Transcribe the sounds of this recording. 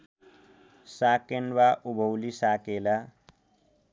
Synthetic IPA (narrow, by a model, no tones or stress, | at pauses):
saːkenwaʔubʱowlisakela